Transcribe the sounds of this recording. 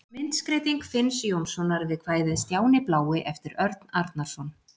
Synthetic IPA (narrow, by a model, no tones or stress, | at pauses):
mɪnt̪skɾeːjt̪iŋkfɪnsjowmsɔnaɾvɪðkʰvaːjðɪðst̪jaːwnɪplaːwɪʔɛft̪ɪɾœɾt̪naɾt̪naɾ̥sɔn